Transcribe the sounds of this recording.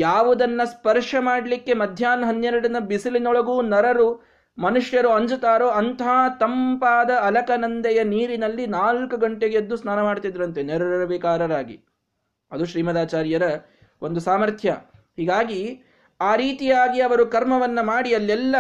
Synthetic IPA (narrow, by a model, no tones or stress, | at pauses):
jaːʋud̪ɐnːɐspɐɾʂɐmaːɽlikːe̞mɐd̪ʱjaːnɦɐnjeɾɐɽɐnɐbisilinɔɭɐɡuːnɐɾɐɾu | mɐnuʂjɐɾuɐɲd͡ʒut̪aːɾoːɐnt̪ɐɦaːt̪ɐmpaːd̪ɐɐlɐkɐnɐnd̪ɐjɐniːɾinɐlːinaːlkuɡɐɳʈeɡeɐd̪ːusnaːnɐmaːɽt̪id̪iɾɐnt̪eneɾɐɾɐɾɐʋekaːɾɐɾaːɡḭ | ɐd̪uʃɾiːmɐd̪aːt͡ʃaːɾjɐɾɐ | ʔo̞nd̪usaːmɐɾt̪ʰjɐ | hiːɡaːɡi | aːɾiːt̪ijaːɡiɐʋɐɾukɐɾmɐʋɐnːɐmaːɽiɐlːɛlːɐ